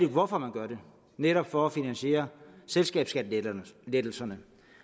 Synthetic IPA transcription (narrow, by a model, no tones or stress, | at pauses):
idʋɒfɒ̽mænɡ̥ɶɐɾe̝ | neɾɒ̽b̥fɒ̽æfinænɕie̝̰ːɐselsɡ̥ɛ̰ːb̥sɡ̥ædled̥l̩sɐnə